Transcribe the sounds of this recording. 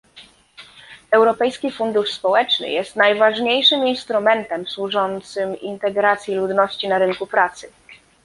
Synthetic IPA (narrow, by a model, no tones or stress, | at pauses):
ɛwɾɔpɛjskʲifund̪uʂspɔwɛt͡ʂnɘ̰jɛst̪najvaʐɲejʂɘminst̪ɾumɛnt̪ɛmswuʐɔnt̪sɘmḭnt̪ɛɡɾat̪sʲjilud̪nɔɕt͡ɕinaɾɘŋkupɾat̪sɘ